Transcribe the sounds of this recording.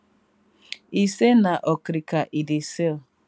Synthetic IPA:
isenaʔɔkɾikaʔidisel

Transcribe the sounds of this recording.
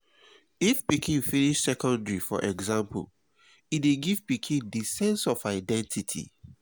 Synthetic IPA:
ifbikʰĩnfiniʃsɛkɔ̃ndɹifɔ̰ʔɛɡzãmpl | ideɡivbikʰĩndisɛ̃nsɔfaɪdɛ̃ntʰitʰḭ

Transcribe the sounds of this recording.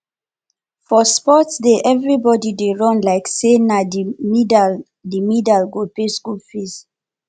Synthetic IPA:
fɔspɔtsdeʔɛvɹibɔdideɹɔ̃nlaɪksenad | dimidalɡopeskulfis

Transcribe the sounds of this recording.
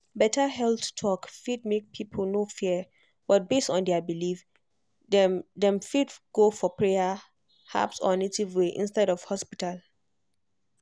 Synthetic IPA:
bɛtʰaɦɛlθtʰɔkfidmek̚pʰipʰəlnofi | b̥ɔt̚bestɔ̃ndɛəbilif | dɛ̃mfidɡ̥ofɔpʰɹeja | ha̰psɔ̰netivweʔḭ̃nstɛɾɔv̥hɔspital

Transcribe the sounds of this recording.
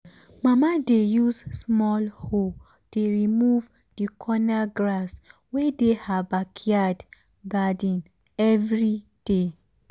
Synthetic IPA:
mamadejuzsmɔlho | d̥eɹimuv | dikʰɔnaɡɹaswɛdehabakʰiad | ɡadĩn | ɛvɹi | d̥e

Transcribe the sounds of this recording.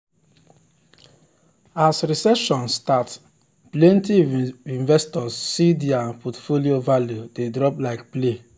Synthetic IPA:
asɾisɛʃɔ̃nstat | plɛ̃ntiĩnvɛstɔsːidiãnpʰɔtfoliovaljudedɾɔplaɪkple

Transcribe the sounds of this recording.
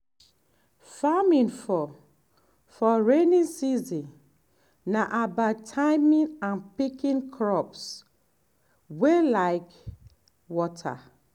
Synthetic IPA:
famĩnfɔ | fɔɹenĩnsizĩn | nːaʔabatʰamĩnãnpikĩnkʰɹɔps | welaɪk | wɔtʰa̰

